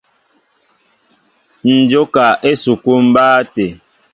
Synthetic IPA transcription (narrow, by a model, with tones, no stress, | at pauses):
n̩˨d͡ʒo˦ka˨ʔe˦su˨ku˦m̩˦baː˦te˨